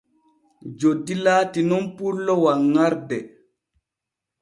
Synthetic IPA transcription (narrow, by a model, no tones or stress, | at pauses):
d͡ʒodːilaːtinɔnpuɾlɔwaŋːaɾdɛ